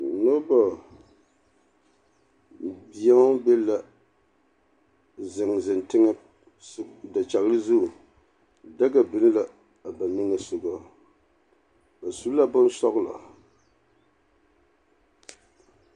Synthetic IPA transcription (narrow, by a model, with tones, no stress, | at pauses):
no˦ba˨ | bi˨a˦ŋ˦bɛ˦la˨ | zɪ˨ŋzɪ˨ntɪ˦ŋɨ˦ | da˨t͡ʃa˨ɣlɨ˦zu˦˨ | da˦ɡa˨bɨ˨nɨ˦la˨ | a˨ba˨nɨ˦ŋɨ˨sʊ˨ɡa˦ | ba˨su˨˦la˦bʊ˦n˦sɔ˦ɣla̰˨